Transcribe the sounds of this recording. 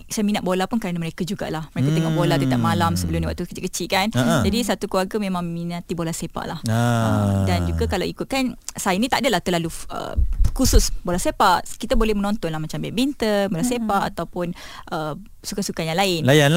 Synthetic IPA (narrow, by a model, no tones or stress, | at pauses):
saminat̪ʔ̚bolapʊnkaɾanaməɾekad͡ʒuɡa̰ʔlahməɾekat̪əŋɔbolat̪ut̪aʔmalamsəbəlʊmniwaʔt̪ukə̥t͡ʃɪkət͡ʃɪlkanad͡ʒadisat̪ukəlwarɡəmẽmãŋminat̪ibolasepa̰ʔlahəmdand͡ʒuɡakalawikʊt̪̚kansajanĩt̪adalaht̪əlaluʔə̰kusʊsbolahsepaʔkit̪abolɛhmənɔ̃nt̪ɔnlahmat͡ʃambɛ̰ʔbint̪ərbolasepaʔat̪awpʊn | ʔə | sukasukajaŋlaɪnlajanl